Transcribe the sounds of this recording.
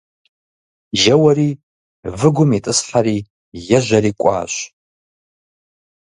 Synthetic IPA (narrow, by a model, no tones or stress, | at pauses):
ʒɐwariː | vɨɡʷʊmitʼɨsħaɾiː | jɐʒʷaɾikʷʼa̰ːʃʷ